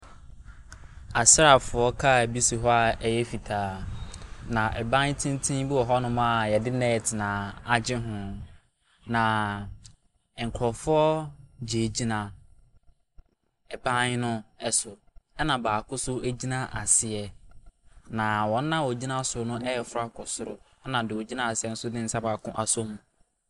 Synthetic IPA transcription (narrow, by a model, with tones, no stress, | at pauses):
a˨sɪ˦a˨fʊ˨ɔ˦kʰa˦˨æ˨bi˦si˨ɦɔ˦a˨ɛ˨jɛ˦fi˨tʰaː˦ | nã˨ʔɛ̰˨bã˦ɲ˦tʰĩ˦n˦tʰĩ˦bɪ˦wɔ˨ɦɔ˦nʊ̃˦mã˦˨jɛ˨dɪ˦nɛ̃˦ɛ˨tʰɪ˨nã˨a˨d͡ʑɪ˦ɦʊ̃˨ | nã˨ | ŋ̩˨kʰɾɔ˨fʊ˦ɔ˦d͡ʑe˨d͡ʑi˦nã˨ | ɛ˨bã˦ɲ˦nʊ̃˦ɛ˦sʊ˨ɛ˦nã˨baː˨kʰʊ˦sʊ˦æ˦d͡ʑi˦nã˦ʔa˨sɪ˨ɛ˨ | nã˨wɔ̃˨n̩ː˦ã˦wɔ˨d͡ʑi˦nã˦sʊ˨˦nʊ̃˦ʔɛ˦ɛ˨fʊ˦ɾa˦kʰɔ˨sʊ˨ɾʊ̰˨ | ɛ˦nã˨dɪ˨wɔ˨d͡ʑi˦nã˦˨a˨sɪ˨˦ɛ˦n̩˦sʊ˦nɪ̃˦n̩˨sa˦baː˨kʰʊ̃˦ʔa˨sõ˦mũ˨